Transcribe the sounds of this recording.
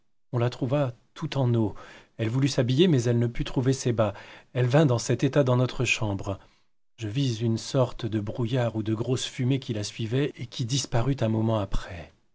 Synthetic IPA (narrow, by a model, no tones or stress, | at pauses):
ɔ̃lat̪χuvat̪ʰut̪ɑ̃no | ɛlvulysabijemɛzɛlnəpyt̪χuvesebaɛlvɛ̃d̪ɑ̃sɛt̪et̪ad̪ɑ̃nɔt̪χəʃɑ̃bʁ | ʒəvizynsɔʁt̪d̪əbʁujaʁud̪əɡʁosfymekʲilasɥivɛekʲid̪ispaʁyt̪ɛ̃mɔmɑ̃apχɛ